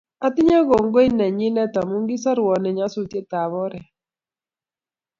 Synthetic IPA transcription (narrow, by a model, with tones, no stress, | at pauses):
a˦t̪ɪ˦ɲa˦ɣɔ˨ŋɡo˦ɪ˦nɛ˨ɲɪ˦nɛ˦ta˨mu˦ŋɡɪ˦sa˦ɾwɔ˨nɛ˨ɲa˨˦su˦tje˦t̪a˨βɔ˦ɾɛ˨